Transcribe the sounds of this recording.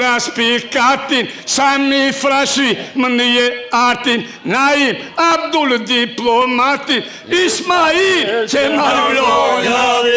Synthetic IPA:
ɾaspikat̪insamifɾaʃimənɨjeaɾt̪in | naim | ab̚d̪uld̪iplomat̪in | ismailt͡ʃemaɾblo

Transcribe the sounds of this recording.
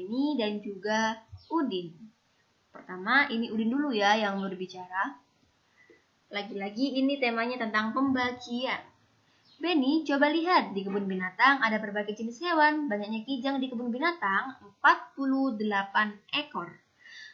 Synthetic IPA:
benidand͡ʒuɡaudɪn | pərt̪amaʔiniudɪndulujajaŋmʊrbit͡ʃaɾa | laɡilaɡiːnit̪emaɲat̪ənt̪aŋpəmbat͡ʃian | benit͡ʃobaliɦat̪̚dikəbʊnbinat̪aŋadapərbaɡajd͡ʒənɪshewanbaɲak̚ɲakid͡ʒaŋdikəbʊnbinat̪aŋəmpat̪̚puluhdəlapanekɔr

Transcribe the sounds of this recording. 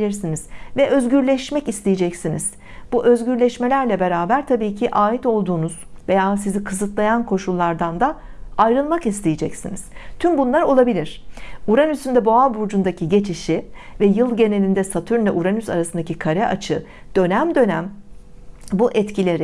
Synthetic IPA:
ilʲiɾsiniz̥vɛʔø̞zɟyɾlʲɛʃmɛcist̪ejed͡ʒɛcsiniz̥ | b̥uʔø̞zɟyɾlʲɛʃme̞lʲæɾlʲɛbe̞ɾaːbæɾt̪ʰabiːcʰiʔaːit̪o̞lˠd̪uːnuz̥ve̞jaːsizikʰɯzɯt̪lˠajankʰo̞ʃulˠːaɾd̪and̪a | ajɾɯlˠmakist̪ʰejed͡ʒɛcsiniz̥t̪ʰymbunlˠaɾo̞lˠabilʲiɾ̝̥uɾanysynd̪ɛbo̞abuɾd͡ʒund̪acʰiɟe̞t͡ʃʰiʃivɛjɯlˠɟe̞ne̞lʲind̪ɛsat̪ʰyɾnd̪ʲɛʔuɾanyza̰ɾasɯnd̪acʰikʰaɾɛʔat͡ʃʰɯd̪̥ø̞næmd̪ø̞næm | buʔɛt̪cʰilʲeɾi

